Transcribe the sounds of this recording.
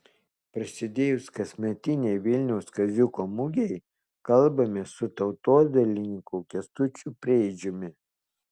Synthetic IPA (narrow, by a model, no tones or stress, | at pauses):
pɾɐsʲɪd̪ʲeːjʊskɐsʲmʲɛt̪ʲɪnʲɛɪʋʲɪlʲnʲɛʊskɐzʲʊkoːmʊɡʲɛɪ | kɐlˠbɐmʲesʊt̪ɐʊt̪oːd̪ɐlʲɪnʲɪkukʲɛst̪ʊt͡ʃʲʊpʲɾʲɛɛɪd͡ʒʲʊmʲɪ